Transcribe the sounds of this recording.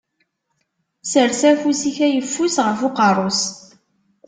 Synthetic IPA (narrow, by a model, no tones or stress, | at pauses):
səɾsæfusiçæjəfːusʁəfʊqərˤos